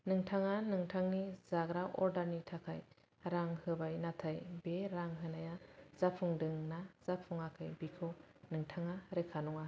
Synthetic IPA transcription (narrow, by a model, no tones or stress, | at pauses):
nɯŋtʰaŋanɯŋtʰaŋnizaɡɾaʔɔɾdaɾnitʰakʰaj | ɾaŋhɯbajnatʰajbeɾaŋɦɯnajaz̥apʰuŋdɯŋnaz̥apʰuŋakʰɯjbikʰɯnɯŋtʰaŋaɾekʰanɔŋa